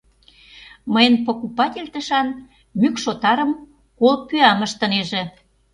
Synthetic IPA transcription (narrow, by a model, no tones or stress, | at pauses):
məjənpokupɑt̪ʲelʲt̪əʃɑn | mykʃot̪ɑɾə̆m | kolpyɑməʃt̪ə̆neʒĕ